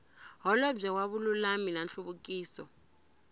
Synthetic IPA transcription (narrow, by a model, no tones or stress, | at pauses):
ɦɔlɔb͡ʐɛwaɓululamilanɬuɓuk̬ʼiːsɔ̰